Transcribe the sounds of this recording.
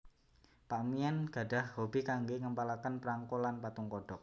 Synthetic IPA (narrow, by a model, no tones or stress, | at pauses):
paʔmianɡ̥a̤ɖa̤hhobikaŋɡeŋəmpalakənpəɾaŋkulanpat̪uŋkɔɖ̥ɔk̚